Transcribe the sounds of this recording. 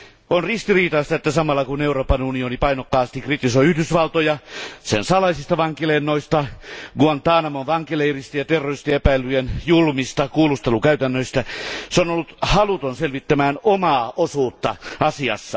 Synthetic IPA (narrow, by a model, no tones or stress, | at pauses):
onrist̪iriːt̪ɑst̪ɑet̪ːæsɑmɑlːɑkuneuroːpɑnunionipɑinokːɑːst̪ikrit̪isoiyhdysʋɑlt̪ojɑsḛnsɑlɑisist̪ɑʋɑŋkilenːoist̪ɑɡuɑnt̪ɑːnɑmonʋɑŋkileirist̪ɑjɑt̪erːorist̪eepæilːyenjulmist̪ɑkuːlust̪elukæyt̪ænːøist̪æseonolːut̪hɑlut̪onselʋit̪ːæmæːnomɑːosuːt̪ːɑɑsiɑ̰sːɑ̰